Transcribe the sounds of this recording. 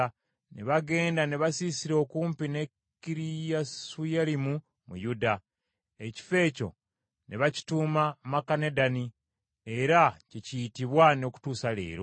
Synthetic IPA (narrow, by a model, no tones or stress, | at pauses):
neβaɡe̞ːndaneβasisiɾo̞kuːmpine̞ | kiɾijasujalimu | mṵjuda | e̞ci̥fe̞ːco̞̰ | nʔeβaci̥tuːmamakane̞dani | e̞ɾacecijitiβwano̞ku̥tuːsale̞̰ːɾo̰